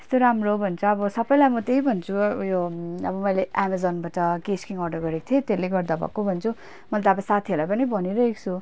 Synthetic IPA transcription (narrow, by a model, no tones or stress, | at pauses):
e̥st̪oɾamrobʱʌnt͡sʰʌːbʌsʌpːʌjlajmʌt̪eibʱʌnt͡sʰujoʌbʌmʌjleamad͡zʌnbaʈʌkeskiŋʌrɖʌɡʌɾeko̥t̪ʰiet̪eleɡʌrd̪abʱʌ̰kobʱʌnt͡sʰu | mʌlt̪abasat̪ʰielajpʌnibʱʌniɾʌɦeko̥t͡sʰu